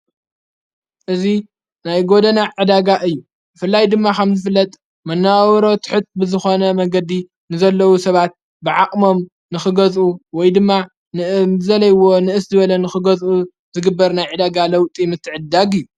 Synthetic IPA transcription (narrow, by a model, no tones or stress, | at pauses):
ʔɨzi | najɡo̞d̪ɐnaʕɨd̪aɡaʔɨjːu | bɨfɨlːajd̪ɨmːakʰɐmzɨfɨlːɐt̪ʼ | mɐnːawɾo̞t̪ʰɨ̥ħɨt̪̚bɨzɨxo̞nɐmɐɡɐd̪i | nɨzɐlːɐwusɐβat̪̚ | bɨʕaqʼmo̞m | nɨxɨɡɐzʔuwɔjd̪ɨmːa | nɨzɐlɐjɨwːo̞nɨʔɨszɨβɐlɐnɨxɨɡɐzʔu | zɨɡɨbːɐɾnajʕɨd̪aɡalɐwt̪ʼimɨt̪ʰːɨʕɨd̪aɡɨjːu